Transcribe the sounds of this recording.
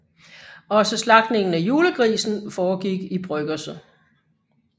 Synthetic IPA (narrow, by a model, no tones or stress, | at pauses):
ɒ̽səslɑ̈ɡ̥d̥ne̝ŋn̩æjuːləkʰʁḭːsn̩fɒːɡ̥iɡ̥ib̥ʁœɡ̥ɐsə